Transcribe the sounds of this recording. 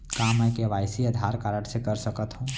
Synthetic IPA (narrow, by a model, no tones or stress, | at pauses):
kaməjkeʋaɪsiəd̪ʱaɾkaɾəɽ̃sekəɾsəkət̪ɦũ